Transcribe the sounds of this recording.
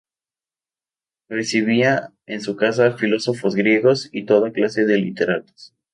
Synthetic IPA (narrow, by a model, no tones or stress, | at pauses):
re̞siβ̞ia | ensukas̬afilo̞so̞fo̞zɣɾje̞ɣo̞sit̪o̞ðaklase̞ðe̞lit̪e̞ɾat̪o̥s